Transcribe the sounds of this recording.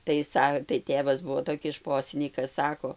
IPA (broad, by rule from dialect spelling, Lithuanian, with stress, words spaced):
tɐɪ ˈsɐ tɐɪ ˈtʲeːʋɐs ˈbuɔ toːˈkʲɪs ˈʃpoːsʲɪnʲiːkɐs ˈsɑːkoː